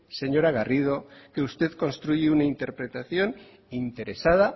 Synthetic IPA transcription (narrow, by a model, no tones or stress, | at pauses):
se̞ɲo̞ɾaɣarið̞o̞ke̞ust̪e̞ðko̞nst̪ɾuʝiunaint̪e̞ɾpɾe̞t̪aθjo̞n | int̪e̞ɾe̞sað̞a